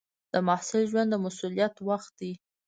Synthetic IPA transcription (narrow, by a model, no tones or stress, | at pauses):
d̪̥əmɑhsɪlʒwand̪ːəmasulijat̪waxt̪̚d̪i